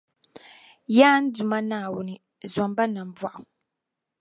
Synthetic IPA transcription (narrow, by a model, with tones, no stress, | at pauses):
jaː˦n̩˦du˨ma˦naː˨wʊ˦ni˨ | za˨m˦ba˦na˨m̩˦bwa˦˨ʔʊ˨